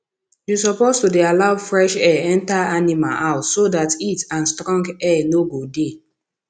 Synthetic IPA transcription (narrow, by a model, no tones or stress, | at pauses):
jusɔpostudealaʊfɹɛʃɛɛ̃ntaanima̰lʔaʊtsodatitãnstɹɔ̃ŋɡɛnoɡode